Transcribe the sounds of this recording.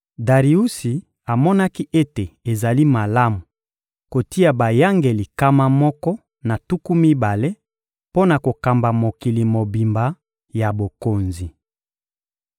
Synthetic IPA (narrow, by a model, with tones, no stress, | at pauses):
da˨ʁi˨u˦si˨ | a˨mɔ˦na˦ki˦ʔe˦te˨e˨za˨li˦ma˨la˦mu˨ | ko˨ti˦a˨ba˨ja˦ŋɡe˨li˨ka˦ma˦mɔ˦kɔ˦ | na˨tu˦ku˦mi˦ba˨le˦ | po˦na˨ko˨ka˨mba˨mo˨ki˨li˨mo˨bi˨mba˨ | ja˨bo˨ko˨nzi˨